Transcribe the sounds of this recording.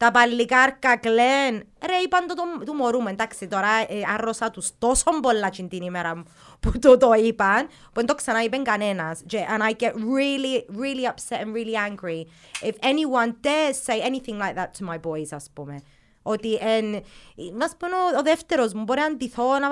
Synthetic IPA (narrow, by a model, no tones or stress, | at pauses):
d̪̥abalːiɡaɾkaɡlɛn | ɛɾejband̪ɔd̪ɔd̪umɔɾumɛ̃nd̪aksid̪ɔɾaaɾɔsad̪usd̪̥ɔsɔmbɔlːat͡ʃind̪inimɛɾa | b̥d̪ɔd̪ɔiban | b̥ɛnd̪ɔksanajbɛnɡanɛnasd͡ʒɛʔə̃najɡɛtɹiliɹiliapsɛtə̃nɹiliãŋɡɹi | ɪfɛniwãnd̪ɛ̥seɪɛniθɪ̃ŋlajk̚ðatʰːəmajbɔjzaspɔmɛ | ɔd̪iʔɛnmaspɔnɔɔðɛft̪ɛɾɔzmbɔɾɛand̪iθɔna